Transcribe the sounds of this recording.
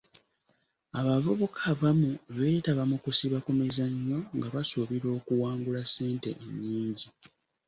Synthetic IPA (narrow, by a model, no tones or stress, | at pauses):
aβavuβukʰaβamuβe̞ːtaβamukusiβakumizaɲːo̞ŋɡaβasuβiɾo̞ːkuwaːŋɡulase̞ːnte̞̰ʔeɲːiːɲɟi